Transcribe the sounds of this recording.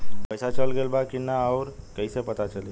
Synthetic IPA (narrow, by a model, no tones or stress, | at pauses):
pəjsat͡ʃəlɡelbakinaɔʊɾkəisepət̪at͡ʃəli